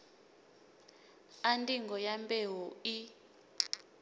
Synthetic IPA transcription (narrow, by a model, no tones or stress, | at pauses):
antʼiŋɡɔjambʼɛɦɔi